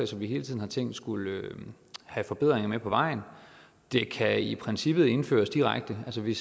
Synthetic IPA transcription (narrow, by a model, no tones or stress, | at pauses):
ɪsɒ̽mʋiɦe̝ːlt͡sʰiðˠn̩hɑ̈t͡sʰeŋ̰d̥sɡ̥ul | hæfɒ̽b̥e̝ð̞̰ˠʁeŋɐmepʰɒ̽ʋɑ̈ɪ̰n | d̥e̝kʰæipʰʁensib̥ð̩ˠe̝nfø̰ːɐsd̥iʁaɡ̥̚d̥əælsəʋe̝